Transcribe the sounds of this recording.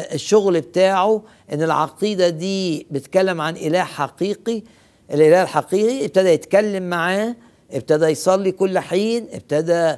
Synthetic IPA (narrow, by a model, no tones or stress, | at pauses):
eʃːoɣlb̚t̪aːʕo | ʔenːelʕɑ̰qiːd̪æd̪iːbet̪kælːemʕanʔelæːħħɑqiːqi | ʔelʔelæːhelħɑqiːqiʔeb̚t̪æd̪æjet̪kælːemːaʕaː | ʔeb̚t̪æd̪æjsˤɑlːikolːħiːnʔḛb̚t̪æd̪æ